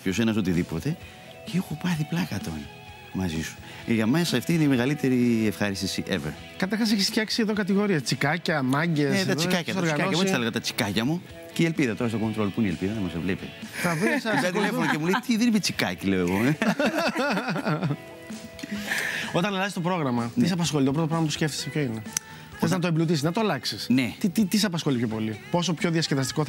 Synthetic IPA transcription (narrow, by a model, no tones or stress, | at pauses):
co̞senɐs̬o̞t̪iðipo̞t̪e̞ | ceexopɐθiplɐkɐt̪o̞̰n | mɐzḭsu̥ | eʝɐmesɐːft̪iineimeɣɐlit̪e̞ɾiefxɐɾist̪isiʔevḛɾ | kɐt̪ɐɾxɐs̬eçisçʲeksie̞ðokɐt̪̬iɣo̞ɾiɐt͡sikɐcɐmɐɲɟeset̪ɐt͡sikɐcɐsoɐɾɣiɐaɐmuesɐleɣɐt̪ɐt͡si̥kɐcɐmu | ceielpiðɐt̪o̞ɾɐstoko̞nt̪ɾolopunielpiðɐðɐmɐsevlepeθɐvisɐkoɐnocemulejt̪iðeniçet͡sikɐ̰cileoeɣo | o̞t̪ɐnɐlɐzist̪o̞pɾo̞ɣɾɐmɐisɐpɐsxo̞lit̪opɾot̪opɾɐɣmɐpusceft̪i̥sepço̞ine | xo̥θeznɐt̪oeblut̪isiznɐt̪oɐlɐksisnet̪it̪it̪is̬ɐpɐsxo̞lipʰço̞po̞lipo̞s̬o̞pço̞ðiɐsceðɐst̪i̥ko